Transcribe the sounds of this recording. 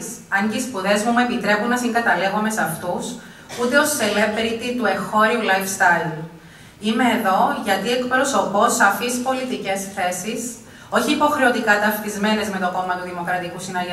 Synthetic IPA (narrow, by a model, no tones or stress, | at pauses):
sɐɲɟeispuðe̞zmumue̞pit̪ɾe̞punːɐsiŋɡɐt̪ɐle̞ɣome̞sɐft̪us | ut̪e̞o̞sele̞pɾit̪it̪ue̞xo̞ɾiulɐjfst̪ɐði | ime̞ːðo̞ʝɐt̪ie̞kpɾo̞so̞po̞sːɐfispo̞lit̪ice̞sθe̞sis | o̞çiːpo̞xɾe̞o̞t̪ikɐt̪ɐft̪izme̞ne̞zme̞t̪o̞ko̞mɐt̪uðimo̞kɾɐt̪ikusinɐʝe